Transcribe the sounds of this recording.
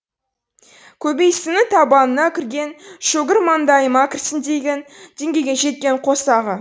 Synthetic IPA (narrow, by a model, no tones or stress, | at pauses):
kʲʰɵbejsɪnɪt̪ʰɑbɑnənɑkʲʰɪɾɡʲe̞nʃɵɡʲɪɾmɑnd̪ɑjəmɑkʲɪrsɪnd̪e̞jɡʲend̪̥e̞ŋɡʲe̞jɡʲeʒe̞t̪̚kʲe̞ɴqʰo̞sɑʁə